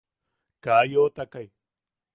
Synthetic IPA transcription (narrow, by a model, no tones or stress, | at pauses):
kaːjoːt̪ɐkɐj